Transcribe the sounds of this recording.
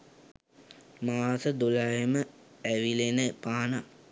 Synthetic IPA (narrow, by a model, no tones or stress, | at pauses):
maːsəd̪ulaɦemə | æʋilenəpaːna